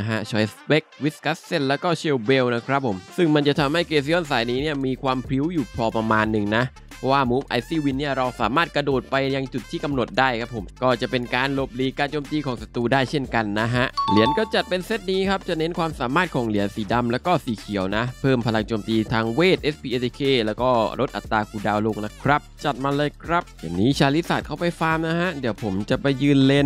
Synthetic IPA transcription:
ɦʰa˦˥t͡ɕʰɔː˧˥jsbe˦˥k̚wi˦˥ska˦˥sːe˥˩nlɛː˦˥wkɔː˥˩t͡ɕʰe˧wwe˧wna˦˥kʰɾa˦˥p̚ʰːo˨˩˦msɯ˥˩ŋma˧nt͡ɕa˨˩t̪ʰa˧mha˥˩jkeː˧s̬i˧ʔɔ˥˩nsaː˩˦jniː˦˥ni˥˩ɐmiː˧kʰwaː˧mpʰɾi˦˥wjuː˨˩pʰɾɔː˧pɾa˧maː˧nːɯ˨˩ŋna˦˥ | pʰɔ˦˧˥waː˥˩muː˦˥mʔa̰˧jsiː˥˩wi˧nːi˥˩ɐɾa˧wsaː˩˦maː˥˩t̪̚kɾa˧doː˨˩t̪̚pa˧jja˧ŋt͡ɕu˨˩t̪ʰːiː˥˩ka˧mno˨˩t̪̚daː˥˩jkʰa˦˥pʰːo̰˩˦mkɔː˥˩t͡ɕa˨˩pe˧nkaː˧nlo˨˩p̚liː˨˦kaː˧nt͡ɕoː˧mt̪iː˧kʰɔː˩˦ŋsa˧t̪uː˧daː˥˩jt͡ɕʰe˥˩nka˧nːa˦˥ɦa˦˥ʔli˨˩˦ənkɔː˥˩t͡ɕa˨˩t̪̚pe˧nse˦˥t̪̚niː˦˥kʰa˦˥p̚t͡ɕa˨˩ne˦˥nkʰwaː˧msaː˩˦maː˥˩t̪̚kʰɔː˩˦ŋli˨˩˦ənsiː˩˦da˧mlɛː˦˥wkɔː˥˩siː˨˦kʰi˨˩˦əwna˦˥pʰɤː˥˩mpʰa˧la˧ŋt͡ɕoː˧mt̪iː˧t̪ʰaː˧ŋweː˥˩t̪̚ʔe˦˥spʰiː˧ʔe˧kʰeː˧˩lɛː˦˥wkɔː˥˩ɾo˦˥t̪̚ʔa̰˨˩t̪ːaː˧kʰuː˧˩daː˧wlo˧ŋna˦˥kʰɾa˦˥p̚t͡ɕa˨˩t̪̚maː˧lɤː˧jkʰɾa˦˥p̚ja˨˩nːiː˦˥t͡ɕʰaː˧li˦˥saː˨˩kʰa˥˩wpa˧jfaː˧mna˦˥ɦa˦˥ʔdiː˨˩˦əwpʰo˩˦mt͡ɕa˨˩pa˧jːɯː˧nle˧n

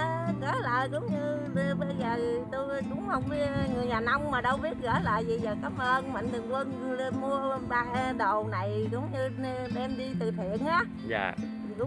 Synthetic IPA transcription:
ɣə̰ː˧˨˩la̰ː˧˨jzʊ˨˦wŋ͡mɲɨ˧ | ɓə˧jzəː˨˩t̪o˧jkʊ̰˧˨˦ŋ͡mhə˧wŋ͡mŋɨ˨˩əjɲaː˨˩na˧wŋ͡mmaː˨˩ɗə˧wɓi˦˥ət̚ɣə̰ː˧˩˦la̰ː˧˨jvi˨˩zəː˨˩kaː˨˦˥m̚ʔəː˧nmə̈˧˨ŋ̟t̪ɨ˨˩əŋkə˧nli˧nmu˧əɓaː˧˩ɗə˨˩wna˨˩jzʊ˨˦wŋ͡mɲɨ˧ | ɗɛ˧mɗi˧t̪ɨ˧˨˩t̪ʰḭ˧˨ənʔaː˨˦ | ja̰ː˧˩˨ | zʊ˨˦

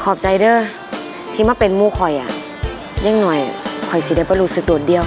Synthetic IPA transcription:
kʰɔː˨˩p̚t͡ɕa˧jdɤː˧˨ | t̪ʰiː˧˩maː˧˥˨pe˨nmuː˧˩kʰɔ˨˩jʔa̰˨˩ | ɲa˧˥˨ŋnɔ˨˩jkʰɔ˨˩jsi˧˦da˧˩˨bɔː˧˦ɾuː˧sɯ˧k̚du˨˩t̪̚di˧əw

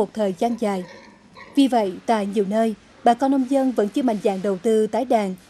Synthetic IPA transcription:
o˨˩t̚t̪ʰəː˨˩jzaː˧nzaː˨˩j | vi˨˩və̰˧˨jt̪a̰ː˧˨jɲi˨˩əwnəː˧j | ɓaː˨˩kɔ˧nʔə˧wŋ͡mzə˧nvə̰˧˥nt͡ɕɨ˧əma̰˧˨jŋ̟za̰ː˧˩˨ŋɗə˨˩wt̪ɨ˧t̪aː˨˦jɗaː˨˩n

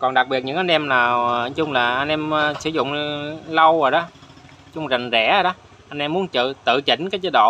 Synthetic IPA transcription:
kɔ˨˩nɗa˨˩k̚ɓi˨˩ət̚ɲɨ̰˧˥ŋʔa˧nʔɛ˧mnaː˨˩wt͡ɕʊ˧ŋ͡mlaː˨˩ʔa˧n̟ʔɛ˧mː˧sɨ˧˩zʊ̰˧˨ŋ͡mlə˧wo˨˩jɗɔ˨˦ | t͡ɕʊ˧ŋ͡mza˨˩ŋ̟zɛ̰˧˩ə˨˩ɗɔ˨˦ | ʔa˧n̟ʔɛ˧mːu˨˦ənt͡ɕɨ̰˧˨t̪ɨ̰˧˨t͡ɕi˧˩˦ŋ̟kaː˨˦jt͡ɕəː˧˦ɗo̰˧˨

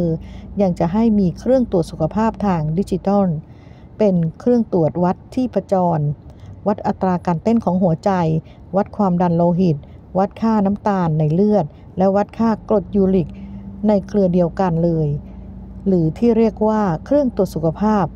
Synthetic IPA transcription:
ɯː˧ja˧ŋt͡ɕa˨˩ɦa˥˩jmiː˧kʰɾɯ˥˩əŋt̪u˨˩ət̪su˨˩kʰa˧pʰaː˥˩p̚t̪ʰaː˧ŋdi˦˥t͡ɕi˧t̪ɔ˥˩n | pe˧nkʰɾɯ˥˩əŋt̪u˨˩ət̪̚wa˦˥t̪ʰːiː˥˩pʰa˧t͡ɕɔː˧nwa˦˥t̪̚ʔa˨˩t̪ːɾaː˧kaː˧nt̪e˥˩nkʰɔː˩˦ŋɦu˩˦ɐt͡ɕa˧j | wa˦˥t̪̚kʰwaː˧mda˧nloː˧ɦi˨˩t̪̚ | wa˦˥t̪̚kʰaː˥˩na˦˥mt̪aː˧nːa˧jlɯ˥˩ət̪̚ | lɛ˦˥wa˦˥t̪̚kʰaː˥˩klo˨˩t̪̚juː˧li˨˩k̚na˧jkʰlɯ˧di˧əwka˧nlɤː˧j | lɯː˩˦t̪ʰiː˥˩ɾi˥˩ək̚waː˥˩kʰɾɯ˥˩əŋt̪u˨˩ət̪su˨˩kʰa˧pʰaː˥˩p̚

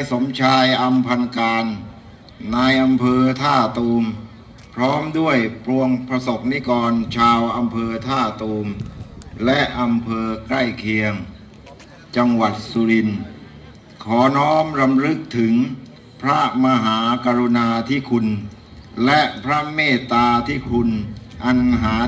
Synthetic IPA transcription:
a˧jso˩˦mt͡ɕʰaː˧jʔa˧mpʰa˧nkaː˧nː | aː˧jʔa˧mpʰɤː˧t̪ʰaː˥˩t̪oː˧m | pʰɾɔː˦˥mdu˥˩əjpɾu˧əŋpʰɾa˧so˨˩p̚ni˦˥kɔː˧nt͡ɕʰaː˧wʔa˧mpʰɤː˧t̪ʰaː˥˩t̪oː˧m | lɛ˦˥ʔa˧mpʰɤː˧kɾa˥˩jkʰi˧əŋ | t͡ɕa˧ŋwa˨˩t̪̚su˧ɾi˧n | kʰɔː˩˦nɔː˦˥mɾa˧mɾɯ˦˥k̚t̪ʰɯ˩˦ŋ | pʰɾa˦˥ma˧ɦaː˩˦ka˧ɾu˧naː˧t̪ʰi˦˥˩kʰu˧n | lɛ˦˥pʰɾa˦˥meː˥˩t̪ːaː˧t̪ʰiː˥˩kʰu˧nʔa˧nɦaː˩˦

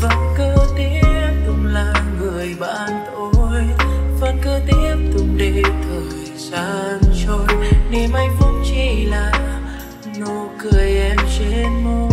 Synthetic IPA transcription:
və˨˩nkəː˧t̪i˧˦˥əp̚t̪ʊ˨˩ŋ͡mlaː˨˩ŋɨ˨˩əjɓa̰ː˧˨nt̪ʰo˧jvə˨˩nkəː˧t̪i˧˦˥əp̚t̪ʊ˨˩ŋ͡mɗe˧˨˩t̪ʰəː˨˩jzaː˧nt͡ɕo˧nne˨˩mʔa˧jŋvə˧ŋ͡mt͡ɕi˧˩laː˨˩ | no˧˩kɨ˨˩əjʔɛ˧mt͡ɕe˧nmo˧

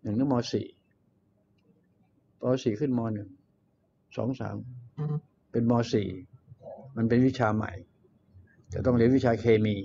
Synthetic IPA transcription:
nɯ˨˩ŋnɯ˦˥˦mɔː˧sḭː˨˩ | mɔː˧siː˨˩kʰɯ˥˩nmɔː˧nɯ˨˩ŋ | sɔ̰ː˩˦ŋsa̰ː˩˦m | pe˧nmɔː˧sḭː˨˩ | ma˧np̬e˧nwi˦˥t͡ɕʰaː˧ma̰˨˩j | t̪ɛː˨˩t̪ɔ˥˩ŋɾi˧˥ənwi˦˥t͡ɕʰaː˧kʰeː˧miː˧

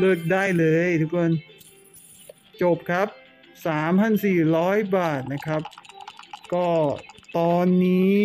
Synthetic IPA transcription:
lɤː˥˩k̚daː˥˩jlɤː˧jt̪ʰu˦˥k̚o˧n | t͡ɕo˨˩p̚kʰa˦˥p̚ | saː˩˦mpʰa˧˥˩nsiː˨˩ɾɔː˦˥jbaː˨˩t̪̚na˦˥kʰɾa˦˥p̚ | kɔː˥˩˥t̪ɔː˧nːiː˦˥

